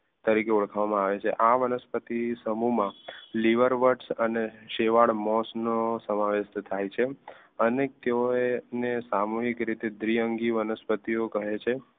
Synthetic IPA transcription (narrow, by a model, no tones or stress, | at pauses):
t̪əɾikeuɭkʰaʋamãaʋet͡ʃʰḛʔaʋənəspət̪isəmumãliʋəɾʋəʈsəneʃeʋaɭmɔsnosəmaʋeʃt̪t̪ʰajt͡ʃʰe | ənet̪eoenesamoɦikɾit̪ed̪ɾijəŋɡiʋənəspət̪iokəɦet͡ʃʰe